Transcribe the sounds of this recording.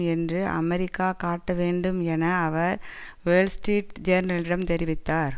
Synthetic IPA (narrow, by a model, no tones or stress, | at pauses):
ɛndrɯʔɐ̰mɛɾɪkːaːkaːʈːɐʋeːɳɖɯmɛnɐːʋɐɾ | ʋelsʈeːʈd͡ʒɐɾnɐlɪɽɐmt̪ɛɾɪʋɪt̪ːaːɾ